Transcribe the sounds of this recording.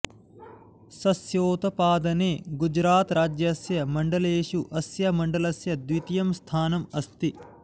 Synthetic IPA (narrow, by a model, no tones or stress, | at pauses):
sɐsjoːt̪ɐpaːd̪ɐneːɡud͡ʒɾaːt̪ɾaːd͡ʒjɐsjɐmɐɳɖɐleːʃuʔɐsjɐmɐɳɖɐlɐsjɐd̪ʋit̪ijɐmst̪ʰaːnɐmɐst̪i